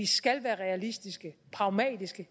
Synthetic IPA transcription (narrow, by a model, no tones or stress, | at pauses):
isɡ̥ælʋæːɐʁɛælisd̥isɡ̥əpʰʁɑ̈ʊmɛ̰ːd̥isɡ̥ə